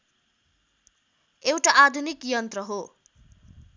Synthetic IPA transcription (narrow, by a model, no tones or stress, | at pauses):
ewʈaʔad̪ʱunikjʌnt̪rʌɦo